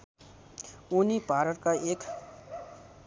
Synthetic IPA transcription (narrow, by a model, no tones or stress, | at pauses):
unibʱaɾʌʈkaek